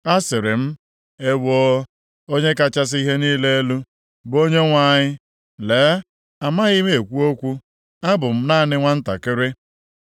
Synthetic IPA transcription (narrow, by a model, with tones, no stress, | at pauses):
a˦sɪ˨ɾɪ˨m̩˦ | e˦wo˦ | o˦ɲe˦ka˦t͡ʃa˦s̬i˦ɦe˦niː˦le˦e˦lu˦ | bʊ˨o˦ɲe˦ŋʷa˦˨ɲɪ˦ | leː˨˦ | a˨ma˦ɣi˦me˦e˨kʷu˦o˦kʷu˦ | a˦bʊ˨m̩˦na˦˨nɪ˦ŋʷa˦n̩˦ta̰˨kɪ˦ɾɪ˦